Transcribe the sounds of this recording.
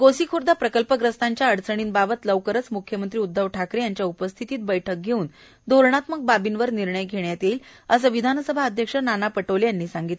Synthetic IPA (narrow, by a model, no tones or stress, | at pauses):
ɡosikʰuɾd̪ʱapɾəkəlpəɡɾəst̪aɲt͡ɕjaəɽt͡səɽ̃iːnbabət̪ləʋkəɾət͡smukʰjəmənt̪ɾiːud̪ʱːəʋʈʰakɾejaɲt͡ɕjaupəst̪ʰit̪iːt̪̚bəjʈʰək̚ɡʱeuːn | d̪ʱoɾɳat̪mək̚babinʋəɾniɾɳəjɡʱeɳjat̪eiːləsəʋid̪ʱansəbʱaəd̪ʱjəkʂənanapəʈoljanːiːsaŋɡit̪l